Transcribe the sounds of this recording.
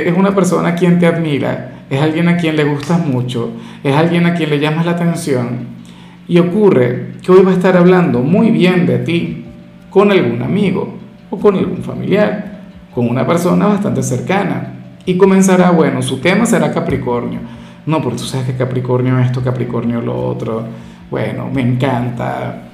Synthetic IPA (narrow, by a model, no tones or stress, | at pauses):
ʔesunapeɾsonakjent̪eaðmiɾa̰ | esalɣjenakjenleɣ̞ust̪amut͡ʃo | esalɣjenakjenleʝamaslat̪ensjon | iokurḛkeojβaest̪aɾaβland̪omujβjend̪et̪i | konelɣuna̰miɣo̰ | okonalɣṵɱfa̰mḭljaɾ | konunapeɾsonaβast̪ant̪eseɾkana̰ | ikomens̬aɾaβwenosut̪emaseɾakapɾikoɾnjo̰ | nopoɾket̪u̥saekekapɾikoɾnjoest̪okapɾikoɾnjolo̰o̰t̪ɾo | bwḛno̰meːŋkant̪a̰